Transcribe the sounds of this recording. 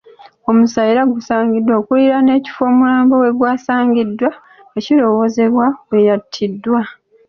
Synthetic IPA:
o̞musajiɾaɡusaːŋɡidːwakuliɾane̞ːci̥fo̞ːmulaːmbowe̞ɡwaːsaːŋɡidːwa | eciɾo̞wo̞ze̞βwawe̞jatʰːidːwa

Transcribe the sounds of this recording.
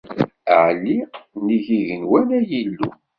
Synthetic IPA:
ʕlːiniʝiʝənwælæjilːṵ

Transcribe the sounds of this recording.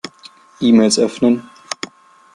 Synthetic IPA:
ʔiːmeːlsʔœfnən

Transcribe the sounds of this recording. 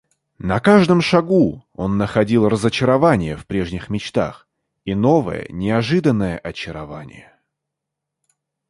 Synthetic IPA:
nɐkaʐd̪əmʂɐɡuo̞nːəxɐdʲilˠrəzət͡ɕɪɾɐvanʲɪjəfpɾʲe̞ʐnʲɪxmʲɪt͡ɕt̪a̰x | ino̞və̰jə̰nʲɪɐʐɨd̪ənːəjəʔɐt͡ɕɪɾɐva̰nʲɪ̰jə

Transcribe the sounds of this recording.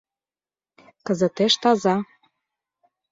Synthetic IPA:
kə̆zə̆t̪eʃt̪ɑzɑ

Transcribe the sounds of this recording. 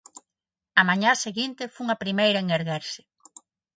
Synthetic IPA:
ɐmaɲaseɣint̪efouŋɐpɾimejɾɐeŋeɾɣeɾsɪ̥

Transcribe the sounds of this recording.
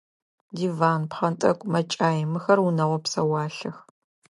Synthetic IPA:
diːvaːnpχɐntʼɐkʷʼmɐt͡ʃʼaːjɪmɨxɐrwʊnɐʁʷɔpsɐwɑːɬɐx

